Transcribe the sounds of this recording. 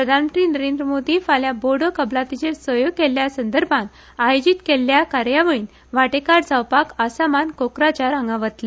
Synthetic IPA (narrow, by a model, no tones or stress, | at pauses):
pɾəd̪ʱanmənt̪ɾinəɾẽnd̪ɾəmod̪ʱifaljaboɽokəblat̪it͡ɕesʋəjoɡ̚keljasənd̪əɾbʱãn | ajod͡ʑit̪kelːjakaɾjaʋəɭiːn | ʋaʈekaɾd͡zawpakasamankokɾat͡ɕaɾãŋɡaʋət̪le